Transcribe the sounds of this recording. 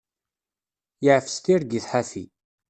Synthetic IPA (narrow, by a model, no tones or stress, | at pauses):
jəʕfə̥st̪iɾɡiθħaθḭ